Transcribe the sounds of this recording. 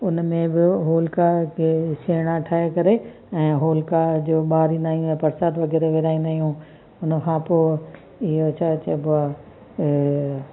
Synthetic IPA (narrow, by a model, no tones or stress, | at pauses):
ʊnmẽbɪɦoːlkakʰeːʃeːɽ̃aʈʰaːɦekɐɾe | ɛ̃ːɦoːlkad͡ʑoːɓaːɾĩnd̪aːɦijũɛ̃ːpɐɾsaːd̪ʋɐɡɛːɾeʋeːɾaːĩnd̪aːɦijũ | ʊnkʰãːpoː | ɪɦot͡ɕʰaːt͡ɕʰɐbʊa